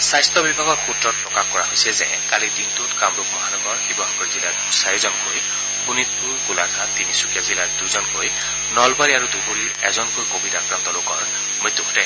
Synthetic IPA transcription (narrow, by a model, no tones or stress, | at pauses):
sajstɔbibʱaɡɔtxutɹɔt̚pɹɔkaxkɔɹaɦojsɛzɛ | kalidintʊtkamɹukmɔɦanɔɡɔɹxibɔɦɔkɔɹzilajtusajɛzɔnkoj | kunit̚puɹɡulatʰat̪inisukijazilajt̚dujzɔnkoj | nɔlbaɹiaɹudubuɹiɹɛzɔnkojkobʱitakɹant̪ɔlokɔɹ | mut̪ːukʰɔtɛ